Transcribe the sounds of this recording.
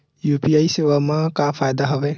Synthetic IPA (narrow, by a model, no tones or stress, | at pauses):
juːpiaisewamãkapʰajd̪aɦɔbe